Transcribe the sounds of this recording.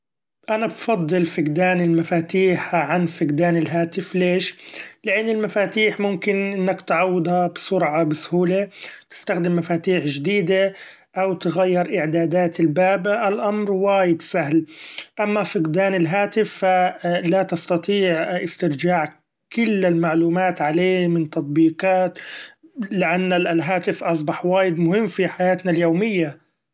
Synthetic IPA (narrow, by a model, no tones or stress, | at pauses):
ʔanabfɑd̪ˤːɨlfɪqd̪aːnɪlmafaːt̪iːħʕanfɪɡd̪aːnɪlɦaːt̪ɪfleːʃlɪʔɪnːɪlmafaːt̪iːħmʊmkɪnʔɪnːakt̪ʕawːɪd̪habsʊɾʕɑbɪshuːlet̪ɪ̥st̪axd̪ɪmːafaːt̪iːħʒd̪iːd̪a | ʔawt̪ɪɣajːɪɾʔɪʕd̪aːd̪aːt̪ɪlbaːbʔalʔamɾwaːjɪd̪saɦlʔamːafɪqd̪aːnɪlɦaːt̪ɪfːalat̪ɑst̪ɑt̪ˤiːʕʔɪst̪ɪɾd͡ʒaːʕ | kʊlːɪlmaʕluːmaːt̪ʕaleːmɪnt̪ɑt̪̚ˤbiːqɑːt̪ | lɪʔanːalɦaːt̪ɪfʔɑs̬ˤbɑħwaːjɪd̪mʊɦɪmːfiħajaːt̪naljoːmɪjːa